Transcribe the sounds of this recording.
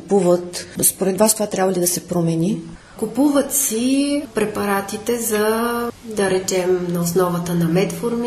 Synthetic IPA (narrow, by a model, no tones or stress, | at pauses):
kupuvət̪nospoɾɛt̪vast̪ovat̪ɾʲabvɐlid̪ɐsɛpɾomɛni | kupuvət̪sipɾɛpɐɾat̪it̪ɛzɐd̪ɐɾɛt͡ʃɛmnɐosnɔvət̪ənɐmɛt̪voɾmi